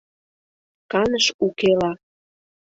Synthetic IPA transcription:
kɑnəʃukelɑ

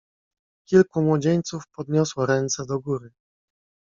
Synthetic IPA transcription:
kʲilkumwɔd͡ʑeɲt̪sufpɔd̪ɲɔswɔɾɛnt̪sɛd̪ɔɡuɾɘ

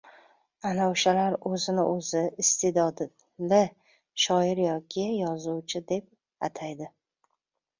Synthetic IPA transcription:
anaoʃalaɾɵzɪnɪ̰ʔɵzɪɪst̪ʰed̪ɒd̪ | lɪ | ʃɒɪɾjɒkʲʰɪjɒzuwt͡ʃʰɪd̪e̞p̚ | at̪ʰajd̪ɪ

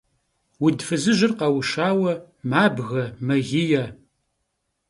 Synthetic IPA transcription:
wʊdfɨzɨʑɪrqɐwʃaːwɐ | maːbɣɐmɐɣɪjɐ

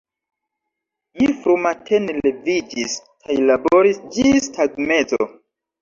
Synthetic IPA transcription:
mifɾumatʰenlevid͡ʒis | kʰajlabo̞ɾisd͡ʒistʰadme̞zo̰

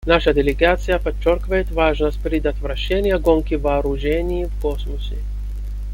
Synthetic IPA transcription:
naʂəd̪ʲɪlʲɪɡat̪sɨjəpɐt͡ɕːorkʲɪvəjɪt̪vaʐnəsʲt̚ʲpɾʲɪd̪ɐt̪vɾɐɕːenʲɪjɐɡonkʲɪvɐːɾʊʐɛnʲɪjivkosmʊsʲɪ

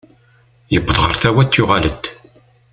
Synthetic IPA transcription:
jəbːəðˤʁə̰ɾˤθæwæt̪ːjʊʁalət̪ː

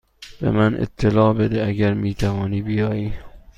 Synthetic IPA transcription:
b̥ḛmænʔḛt̪ʰːelɒːbed̪eæɡæɾmiːt̪ʰævɒːniːbijɒːjiː

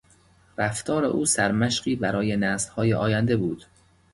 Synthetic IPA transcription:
ræft̪ʰɒːɾe̞̰ʔuːsæɾmæʃɢiːbæɾɒːje̞næːslhɒːjeʔɒːjænd̪ebuːd̪̥

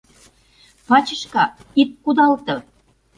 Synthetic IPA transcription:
pɑt͡ɕə̆ʃkɑit̪̚kud̪ɑlt̪ɤ̆

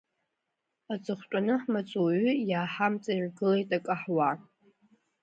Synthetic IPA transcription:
at͡sʼɨχʷtʷʼanɨħmat͡sʷʼuɥʏjaːħamt͡sʼairɡɨlejtʼakʼaħwa

